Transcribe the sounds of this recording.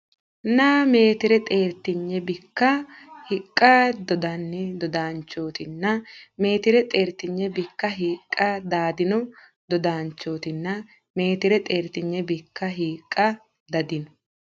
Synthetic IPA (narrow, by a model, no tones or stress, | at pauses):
nɐmeːt̪ɪɾɛt̪ʼe̞ːɾt̪ɪɲːɛbɪkːɐhɪkʼːɐd̪ɔd̪ɐnːɪd̪ɔd̪aːnt͡ʃːo̞ːt̪ɪnːɐme̞ːt̪ɪɾɛt̪ʼe̞ːɾt̪ɪɲːɛbɪkːɐɦiːkʼːɐd̪aːd̪ɪnɔ | d̪ɔd̪aːnt͡ʃːo̞ːt̪ɪnːɐ | me̞ːt̪ɪɾɛt̪ʼe̞ːɾt̪ɪɲːɛbɪkːɐɦiːkʼːɐ | d̪ɐd̪ɪnɔ